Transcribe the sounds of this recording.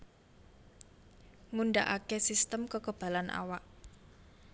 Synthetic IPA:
ŋuɳɖaʔakesist̪əmkəkəb̥ä̤lanʔa̰waʔ

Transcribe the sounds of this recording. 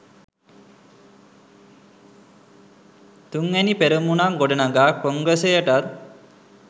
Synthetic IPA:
t̪uŋænipeɾumunaŋɡoɖənaɡaːkoŋɡəsejəʈat

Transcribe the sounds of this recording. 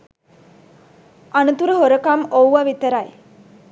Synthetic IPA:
anut̪uɾəɦoɾəkamowʋaʋit̪əɾaj

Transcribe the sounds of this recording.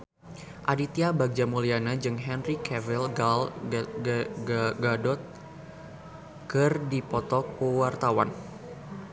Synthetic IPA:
ʔadit̪iabaɡ̚d͡ʒamulianad͡ʒɨŋɦɛnrikɛvilɡal | ɡadɔt̪̚ | kɨrdipɔt̪ɔkuwart̪awa̰n

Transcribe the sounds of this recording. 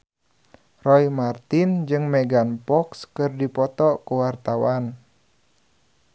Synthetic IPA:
rɔimart̪ind͡ʒɨŋmɛɡanpɔkskɨrdipɔt̪ɔʔkuwart̪awan

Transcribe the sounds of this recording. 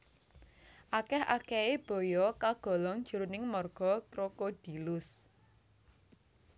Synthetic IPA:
ʔakɛha̰kɛeb̥ɔ̤jɔkaɡ̥ɔ̤lɔŋ̥ʒ̥ṳɾunɪŋmɔrɡ̥ɔ̤kɾokod̥i̤lʊs

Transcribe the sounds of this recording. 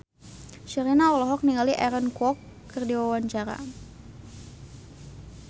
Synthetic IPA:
ʃəɾinaɔlɔɦɔk̚niŋaliʔɛɾənkɔkː | ərdiwawaɲt͡ʃaɾa̰

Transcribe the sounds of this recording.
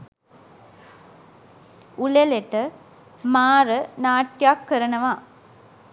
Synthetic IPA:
uleleʈə | maːɾənaːʈjakːəɾənəʋa

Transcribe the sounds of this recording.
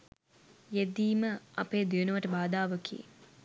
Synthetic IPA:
jed̪iːməɐpeːd̪iənuʋəʈəbaːd̪aːʋəkʰḭː

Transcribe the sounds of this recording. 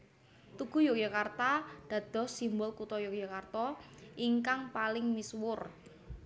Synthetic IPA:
t̪uɡ̥ṳjɔkjakart̪ad̪̥ä̤d̪̥ɔ̤sːimbʊlkut̪ɔjokjakart̪ɔʔiŋkaŋpalɪŋmiswʊr

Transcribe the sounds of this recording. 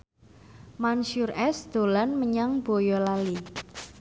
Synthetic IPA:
manʃurɛsd̪̥o̤lanməɲaŋb̥ojɔlali

